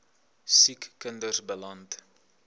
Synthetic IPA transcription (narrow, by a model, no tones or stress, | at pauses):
sikːəndərsbəlɐnt